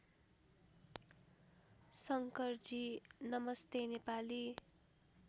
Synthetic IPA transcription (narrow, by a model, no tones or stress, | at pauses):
sʌŋkʌrd͡zinʌmʌst̪enepali